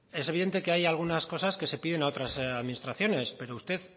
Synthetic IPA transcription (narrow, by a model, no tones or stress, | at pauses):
e̞s̬e̞βiðe̞nt̪e̞ke̞ajalɣ̞unasko̞saske̞se̞piðe̞nao̞t̪ɾasaðminist̪ɾaθjo̞ne̞spe̞ɾo̞ust̪e̞ð